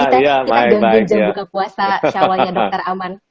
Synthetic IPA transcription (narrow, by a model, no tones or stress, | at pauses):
jabaaabaɪkd͡ʒajaukakuasaawalɲadɔt̪araman